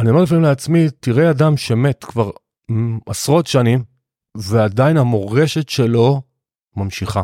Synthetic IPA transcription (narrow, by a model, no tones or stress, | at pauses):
aniomelefamimleat͡smitiʁeadamʃeme̞tkvaʁ | asʁo̞tʃanim | veadainamo̞ʁe̞ʃe̞tʃe̞lo̞ | mamʃiχa